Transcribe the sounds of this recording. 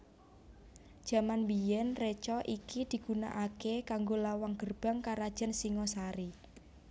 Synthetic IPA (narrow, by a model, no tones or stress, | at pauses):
d̥ʒ̥ä̤manwijɛnret͡ʃɔʔikid̪̥i̤ɡ̥una̰ʔakekaŋɡolawaŋɡ̥ərb̥a̤ŋkaɾad̥ʒ̥a̤nsiŋɔsaɾi